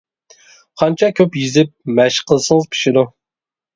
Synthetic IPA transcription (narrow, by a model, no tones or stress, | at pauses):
qʰɑnt͡ʃʰɑkʲʰøpjizɪp̚mɛʃqʰəlˠsəŋəzpʰi̥ʃɪd̪u